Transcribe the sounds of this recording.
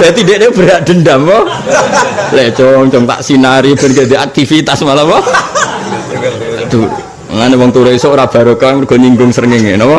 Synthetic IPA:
d̥ajt̪ideʔneb̥əɾaʔd̪̥ə̤ndamɔ | lɛt͡ʃɔŋt͡ʃɔŋt̪a̰ʔsinaɾib̥ə̤nɡad̪iak̚t̪ifit̪asmalawɔ | d̪̥u | ŋanewɔŋt̪uɾeisoʔɾab̥a̤ɾokaərɡ̥ɔɲiŋɡʊŋsəɾŋɪŋenɔwɔ

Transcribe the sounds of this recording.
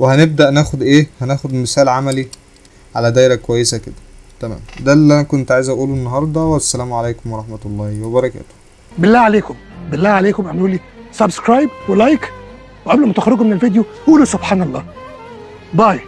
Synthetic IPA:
wehæneb̚d̪æʔnæːxod̪ʔeːhænæːxod̪mesæːlʕamæli | ʕa̰læd̪æjɾækowæjːesæked̪æt̪æmæ̰ːmd̪ælːiʔænækont̪ʕajezʔæʔuːlunːɑɦɑɾˤd̪ˤɑwæsːælæːmʕalæːkomwɑɾˤɑħmæt̪olˤːɑːhwebɑɾˤɑkæ̰ːt̪o̥ | belːæʕaleːkombelːæːʕaleːkomʔænʔuːlːi | sæbskɾajb̚welajk | weʔæblomʊt̪æxɑɾːeɡomenelvid̪joʔuːlusobħaːnɑlˤːɑ̰ː | bɑj

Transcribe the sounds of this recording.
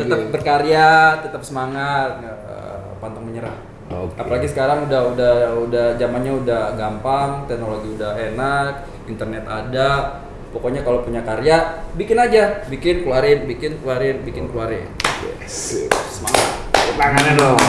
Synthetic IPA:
t̪ət̪əp̚bərkaɾjat̪ːət̪əp̚səmaŋat̪̚a | ə̰ | pant̪aŋməɲəɾa̰h | okapalaɡisə̥kaɾaŋudahudahudahd͡ʒamanɲaudahɡampaŋt̪ɛknoloɡiudahenak̪̚ | int̪ərnɛt̪ada | pokoɲakalopuɲakaɾjabikɪnad͡ʒabikɪnkluaɾɪnbikɪnkluaɾɪnbikɪnkluaɾɪ̰njɛ̰ssəmaŋat̪̚taŋanɲado

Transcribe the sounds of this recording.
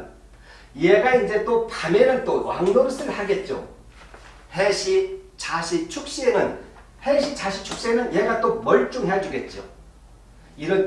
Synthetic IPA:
jeɡaind͡ʑe̞t͈opamenɯnt͈owwa̰ŋnops͈ɯɭhaɡe̞t̚t͡ɕ͈o̰ | heɕʰit͡ɕaɕʰit͡ɕʰuk̚ɕ͈ienɯn | heɕʰit͡ɕaɕʰit͡ɕʰuk̚ɕ͈ienɯnjeɡat͈omʌɭt͡ɕ͈uŋɦejad͡ʑuɡe̞t̚t͡ɕ͈o̰ | iɾʌn

